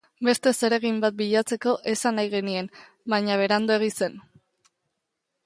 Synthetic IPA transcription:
be̞st̪e̞se̞ɾe̞ɣimbat̪̚biʎat͡se̞ko̞ʔe̞sanajɣe̞nie̞n | baɲaβ̞e̞ɾand̪oe̞ɣ̞ise̞n

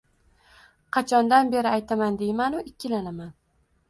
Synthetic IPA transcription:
qʰɑt͡ʃʰɒnd̪anbe̞ɾɪajt̪ʰamand̪ejmanʊɪkʲʰːɪlanaman

